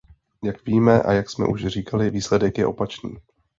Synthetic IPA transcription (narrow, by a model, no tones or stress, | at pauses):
jakviːmɛʔa̰jaksmɛ̰ʔuʃr̝iːkʰalɪviːslɛdɛkjɛ̰ʔo̞pat͡ʃnḭː